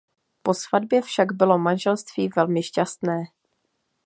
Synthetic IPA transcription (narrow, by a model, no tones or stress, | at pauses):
po̞svadbjɛfʃaɡbɪlo̞manʒɛlst̪v̥iːvɛlmɪʃcast̪nɛː